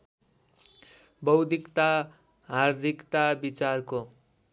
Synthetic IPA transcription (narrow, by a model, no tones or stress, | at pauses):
bʌwd̪ʱikt̪a | ɦard̪ʱikt̪abit͡sarko